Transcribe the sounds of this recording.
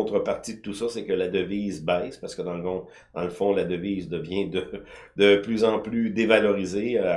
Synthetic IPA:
t̪ʁəpaʁt̪id̪ət̪usɔsɛkəlad̪əviːzbɛɪspaʁsə̥kəd̪ɑ̃ləkɔ̃ | d̪ɑ̃ləfɔ̃lad̪əviːzd̪əvjɛ̃d̪ə | d̪̥əplyzɑ̃plyd̪evalɔʁize

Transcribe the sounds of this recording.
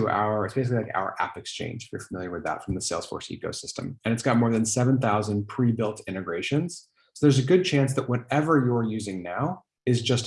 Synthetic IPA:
əʔa̰ʊə˞ɨtsb̥eɪs̬ɪklilaɪka̰ʊə̰˞ʔæ̰pɨkst͡ʃʰḛ̃ɪ̃nd͡ʒɪfjə̰˞fəmɪlˠjə˞wɨðə̰tfɹʌ̃mðɨseɪlˠz̥fɔ̰ɹsḭko̰ʊsɪstə̰̃mɨ̃ñɨtsɡ̥ɑt̚mɔɹðɨ̃nsɛṽnθaʊzɨ̃npʰɹ̥ibɪlˠtʰɪ̃ɾ̃ɨɡɹeɪʃɨ̃nz̥ | soʊðə˞zɨɡʊd̚t͡ʃʰæ̃nsðɨʔ̚wʌɾɛvə˞jə˞jʉzɪ̃ŋnaʊ | ɨzd͡ʒʌst

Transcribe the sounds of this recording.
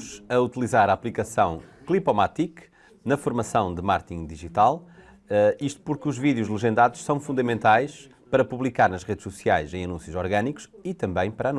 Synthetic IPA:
ʃɐut̪ilˠizaɾaːplˠikɐsɐ̃w̃klˠipɔmat̪ik | nɐfuɾmɐsɐ̃w̃d̪ɨmaɾt̪ĩŋd̪iʒit̪alˠ | ɛiʃt̪u̥puɾkuʒviðjuʒlˠɨʒẽnd̪aðuʃsɐ̃w̃fũnd̪ɐmẽnt̪ajʃ | pɐɾɐpuβlˠikaɾnɐʃʁeðʃsusiajʃẽj̃ɐnũsjuzɔɾɣɐniku̥ʃit̪ɐ̃mbɐ̃j̃pɐɾañ

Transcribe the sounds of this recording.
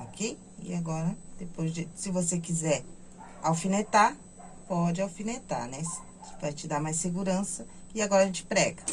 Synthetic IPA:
okʰej | ɪ̰aɡɔɾɐd̪̥epojzd͡ʒɪsɪvosek̬izɛɾ | awfinet̪aɾ | pɔd͡ʒɪawfinet̪a̰ɾnɛs | vãt͡ʃɪd̪aɾmajsseɡuɾɐ̃sɐɪaɡɔɾɐʒẽt͡ʃɪ̥pɾɛɡɐ

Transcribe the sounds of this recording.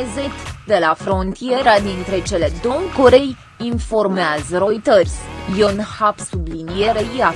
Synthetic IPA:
zet̪d̪e̞lafɾo̞nt̪ije̞ɾad̪int̪ɾe̞t͡ʃe̞le̞d̪owkoɾe̞j | info̞rmeazəɾojt̪ərʲjo̞nhapsublinijeɾeia

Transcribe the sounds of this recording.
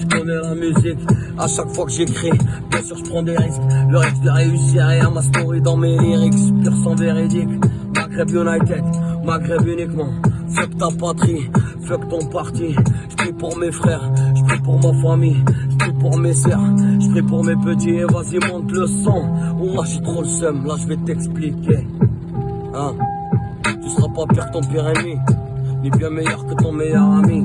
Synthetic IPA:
ʒəkɔnɛlamyzik | aʃakfwakəʒekχibjɛ̃syʁʒəpχɑ̃d̪eʁiskləʁisk̚d̪əʁeysiʁeamasmɔʁid̪ɑ̃meliʁiksypiʁsɑ̃veʁid̪ik | maɡʁɛbjunajt̪ɛd̪maɡʁɛbynikmɑ̃fɛkt̪apat̪χifɛkt̪ɔ̃paʁt̪iʒ̥ə̥pχipuʁmefχɛʁʒəpχipuʁmafamijʒəpχipuʁmesœʁʒ̥əpχipuʁmepət̪̬iɛ̃vazimɑ̃t̪ləsɑ̃umaʃit̪χolsœmlaʒəvɛt̪ɛksplike | ɛ̃ | t̪ysəʁapapiʁkə̥t̪ɔ̃piʁeminɛbjɛ̃mɛjœʁkət̪ɔ̃mɛjœʁami

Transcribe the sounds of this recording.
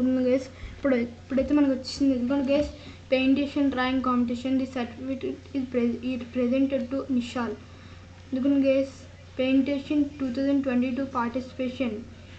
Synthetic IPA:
knɡeːspːuɽpːuɽɐjt̪eːmɐnɐkiʋɐt͡ʃːi̥sind̪iend̪ukɐnɡeːs | peːɳʈeːʃɐnɾaj̃ŋkaːmpeʈ̬iʃɐnd̪isɐʈifiʈʈizpɾpɾezeɳʈeɖ̚ʈuniʃaːl | end̪ukɐnɡeːs | peːɳʈeːʃɐnʈuːt̪ʰawzɐ̃ɳɖʈʋeɳʈiʈuːpaːɾʈisi̥peːʃɐn

